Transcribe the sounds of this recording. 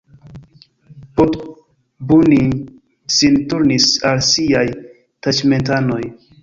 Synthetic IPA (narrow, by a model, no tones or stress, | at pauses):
pot | buni | sintuɾnisalsiaj | tat͡ʃment̬anoj